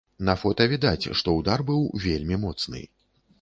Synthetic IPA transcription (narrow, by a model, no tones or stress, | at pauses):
nɐfɔt̪ɐvʲid̪at͡sʲʂt̪ɔud̪arbɨwvʲelʲmʲimɔt̪snɨ̰